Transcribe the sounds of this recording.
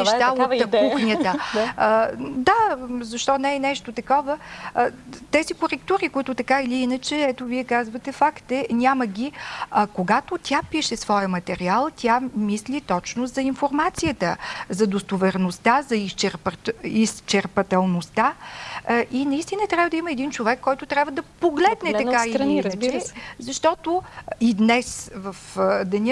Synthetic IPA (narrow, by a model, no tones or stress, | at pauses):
ʃt̪aəuxnʲət̪ə | d̪azɐʃt̪ɔnɛːnɛʃt̪ot̪ɐkɔvə | t̪ɛzikoɾɛkt̪uɾikoit̪ʊt̪ɐkailiinət͡ʃɛɛt̪oviɛkazvət̪ɛfakt̪ɛnʲaməɡʲiɐkoɡat̪ot̪ʲjapiʃɛsvɔjəmɐt̪ɛɾialˠt̪ʲjamislit̪ɔt͡ʃnozɐinfoɾmat̪sijət̪əzɐd̪ost̪ovɛɾnost̪azɐist͡ʃɛɾpist͡ʃɛɾpɐt̪ɛlˠnost̪a | ʔinɐist̪inət̪ɾʲjabvəd̪ɐiməɛd̪int͡ʃovɛkːɔjt̪ʊt̪ɾʲabvəd̪ɐpoɡlɛd̪nɛt̪ɐkailinit͡ʃɾɛzɐʃt̪ɔt̪oid̪nɛsvəfd̪ɛnʲə